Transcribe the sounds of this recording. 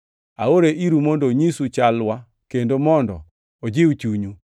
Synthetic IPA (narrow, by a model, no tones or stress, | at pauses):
a̰oɾeʔiɾumondoɲisut͡ʃalwa | kendomɔndɔ̰ | od͡ʒɪut͡ʃuɲu